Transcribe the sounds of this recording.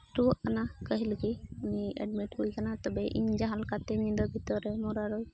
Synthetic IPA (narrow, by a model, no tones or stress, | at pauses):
ʈuɔʔkanakəɦilkiuniɛ̰ɖmiʈɦujkanat̪ɔbɛʔḭɲd͡ʒaɦalkat̪ɛnĩd̪ɔbʱit̪ɔɾɛmɔɾaɾɔj